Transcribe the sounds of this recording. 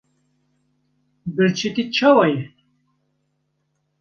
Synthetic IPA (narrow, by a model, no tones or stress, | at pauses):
bɨɾt͡ʃʰit̪it͡ʃʰɑwɑjɛ